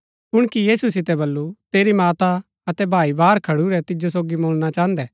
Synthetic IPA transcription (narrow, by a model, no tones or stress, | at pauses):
pʊɽ̃kijiːsusɪt̪ɛbɐlːut̪eːɾimaːt̪a | ɐt̪ɛbʱaːibaːɾkʰɐɽuɾɛt̪ɪd͡ʒosoːɡimoːɭñat͡ʃaːɦə̃nd̪ɛː